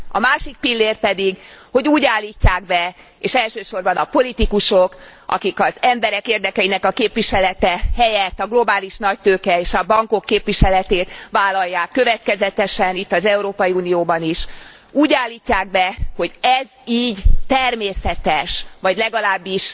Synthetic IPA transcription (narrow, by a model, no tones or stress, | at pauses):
ɒ̰maːʃik̚pilːeːrpɛd̪iɡho̞ɟuːɟaːlːiːcːaːɡ̚bɛ | eːʃɛlʃøːʃo̞rbɒnɒpo̞lit̪ikuʃok | ʔɒ̰kikɒzɛmbɛɾɛkeːrd̪ɛkɛinɛkɒkeːpvʋiʃɛlɛt̪ɛhɛjɛt̪ːɒɡlo̞baːliʃnɒc̚t̪øːkɛeːʃɒbɒŋko̞kːeːpʋiʃɛlɛt̪eːt̪ʋaːlːɒjːaːkːø̞vɛt̪kɛzɛt̪ɛʃɛnit̪ːɒzɛuɾoːpɒjiuːnijoːbɒniʃ | uːɟaːlːiːcːaːɡ̚bɛho̞ɟɛziːɟt̪ɛrmeːsɛt̪ɛʃʋɒɟlɛɡɒlaːbːiʃ